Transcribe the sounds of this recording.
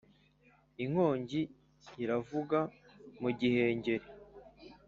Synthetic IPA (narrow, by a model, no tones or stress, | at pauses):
iŋ̥ho̞ːɲɟi | iɾavuɡamuɟihe̞ːɲɟe̞ɾe